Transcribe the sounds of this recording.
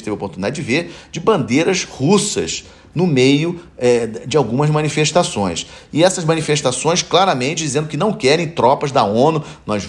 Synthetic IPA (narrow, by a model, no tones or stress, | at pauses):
ɪt̪evɐopoɾt̪unid̪ad͡ʒɪd͡ʒɪveɾd͡ʒɪbɐ̃nd̪eɾɐzhusɐ̰ʃ | nʊmejʊɛd͡ʒɪawɡũmɐzmɐ̃nifeʃt̪asõj̃sɪɛsɐzmɐ̃nifeʃt̪asõj̃sklaɾɐmẽnt͡ʃɪd͡ʒizẽnd̪ʊkɪnɐ̃w̃kɛɾẽj̃t̪ɾɔpɐzd̪ɐõnunɔz